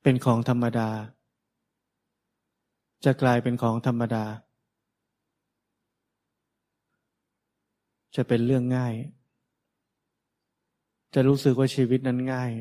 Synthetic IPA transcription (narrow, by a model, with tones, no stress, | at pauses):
pe˧nkʰɔː˩˦ŋt̪ʰa˧mːa˧daː˧ | t͡ɕa˨˩klaː˧jpe˧nkʰɔː˩˦ŋt̪ʰa˧mːa˧daː˧ | t͡ɕa˨˩pe˧nɾɯ˥˩əŋːaː˥˩j | t͡ɕa˨˩ɾuː˦˥sɯ˨k̚waː˥˩t͡ɕʰiː˧wi˦˥t̪̚na˦˥nŋaː˥˩j